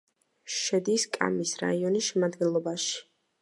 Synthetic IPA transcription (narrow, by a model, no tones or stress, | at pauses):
ʃɛd̪iskʼa̰misɾa̰iɔnisʃɛmad̪ɡɛnlˠɔbaʃi̥